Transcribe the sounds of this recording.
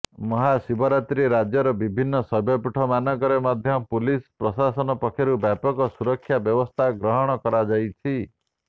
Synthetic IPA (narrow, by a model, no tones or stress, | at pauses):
mɔɦasibɔɾat̪ɾiɾad͡ʒjɔɾɔbibʱinːɔsɔbʱjɔpuʈʰɔmanɔkɔɾemad̪ʱjɔpulispɾɔsasɔnɔpɔkʰjɔɾubjapɔkɔsuɾɔkʰːjabjɔbɔst̪ʰaɡɾɔɦɔɽ̃ɔkɔɾad͡ʒajt͡ʃʰi